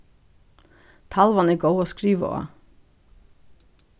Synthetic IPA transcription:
t̪ʰɑlʋanɛɡowoːskɾiːʋə̰o̰

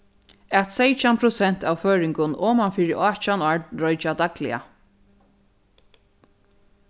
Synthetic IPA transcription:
ɛt̪sejt͡ʃampʰɾʊsɛn̥t̪awføːɹɪŋkʊnʔɔːmanfiːɾɪʔaːt͡ʃanaɹdɾɔjt͡ʃad̪aklɪ̰a̰

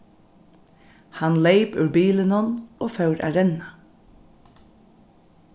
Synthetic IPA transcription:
hɑnleɪpʉːbiːlənɔnoːfœʉɾʔæ̰ːɹɛnɑ

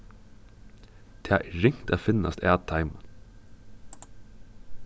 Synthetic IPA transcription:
t̪ʰḛːɪɾɪŋt̪ɑːfɪnɑ̰st̪æːt̪ʰɑɪmən

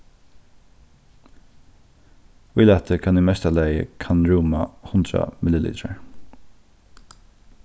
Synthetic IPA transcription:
vɪlɛt̪ʰəkʰanɪmɛst̪alæɪjə̰kʰanɹuːmahʊnd̪ɾa̰mɪləlḭːt̪ʰɾaɹ

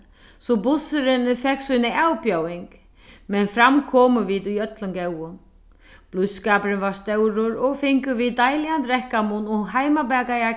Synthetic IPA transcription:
sɔbʊsʏɾɪnfɛksujnɪawpjawɪŋk | mɛnfɾamkʰɔːmʏviːðujœt̪lʊmkɛwʊn | b̥luskaːpɾɪnvḁst̪ɛwɾʊɾɔɣfɪŋkʏviðt̪ajlɪjant̪ɾɛhkamʊnɔɣɦajmabɛːkaja

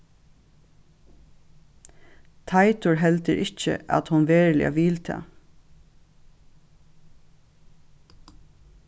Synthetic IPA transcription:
t̪ʰɑɪt̪ʊɹɦɛlt̪əɾʔɪçə̰ʔɑ̰t̪hʊnʋeːɹlɪ̰ɑ̰ʋɪlt̪ʰɑ̰ː

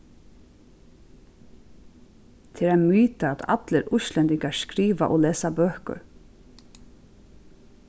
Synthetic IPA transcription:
t̪ʰɪɾamyːt̪aɛt̪a̰t̪ləɾʊʃlɛnt̪ɪŋkaɹskɾiːʋa̰ʔɔlɛːsabøːhkʊ̰ɾ

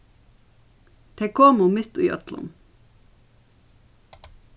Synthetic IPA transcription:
t̪ʰekʰoːmʊmɪt̪ṵːʔœ̰t̪lə̰n

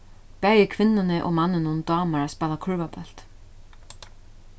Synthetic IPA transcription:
pɛːjɪkʰvɪnːɪnɪʔɔ̰ɣmanːɪnʊnt̪ɑːmaɾaspɛːðakʰʏɾvapœl̥t̪

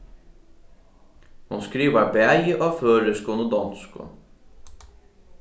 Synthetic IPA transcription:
hʊnskɾiːʋəbeæɾʔoːføːɾəskuːnʊd̪ɑnskʊ̰

